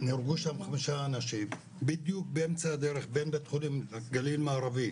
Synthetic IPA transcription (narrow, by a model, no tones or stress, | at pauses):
niɾɡuʃamχamiʃaːnaʃim | bid̪juk̚beemt͡saad̪eɾeχbenbet̪χunimaɡalilmaːɾavim